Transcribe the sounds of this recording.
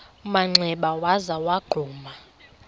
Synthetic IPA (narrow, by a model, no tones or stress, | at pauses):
maŋ͡ǀʱɛɓawazawaɡ͡ǃʱuːma